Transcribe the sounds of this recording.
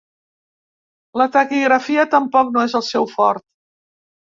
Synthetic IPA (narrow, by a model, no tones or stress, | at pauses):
lət̪əkiɣɾəfiət̪əmpɔk̚noezəlˠsɛwfɔɾt̪̚